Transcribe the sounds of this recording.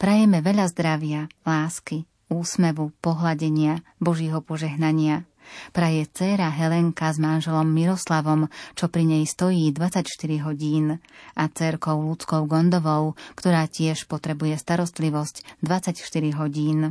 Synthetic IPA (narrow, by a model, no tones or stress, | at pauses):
pɾajɛmɛʋɛʎazd̪ɾaʋɪalaːski | uːsmɛʋupɔɦlaɟɛɲɪabɔʒjɛɦɔpɔʒɛɦnaɲɪa | pɾajɛt͡sɛːɾaɦɛlɛŋkazmanʒɛlɔmːiɾɔslaʋɔmt͡ʃɔpɾiɲɛjst̪ɔjiːd̪ʋat͡sacʃt̪iɾiɦɔɟiːnʔat͡sɛɾkɔʊlut͡skɔʊɡɔnd̪ɔʋɔʊkt̪ɔɾaːcɪɛʃpɔt̪ɾɛbujɛst̪aɾɔst̪liʋɔscd̪ʋat͡sacʃt̪iɾiɦɔɟiːn